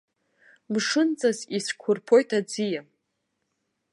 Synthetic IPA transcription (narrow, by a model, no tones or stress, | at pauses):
mʂɨnt͡sʼaziskʷʰʊrpʰo̞jtʰad͡zija